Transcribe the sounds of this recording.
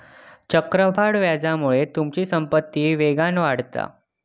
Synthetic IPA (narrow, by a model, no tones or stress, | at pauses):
t͡ɕəkɾəbʱaɽʋjad͡zamuɭet̪umt͡ɕiːsəmpət̪ːiːʋeɡanʋaɽt̪a̰